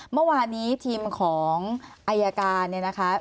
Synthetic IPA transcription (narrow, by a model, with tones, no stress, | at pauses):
mɯ˥˩waː˧nːiː˦˥t̪ʰiː˧mkʰɔː˩˦ŋʔa˧jaː˧kaː˧nnːi˥˩ɐna˦˥kʰa˦˥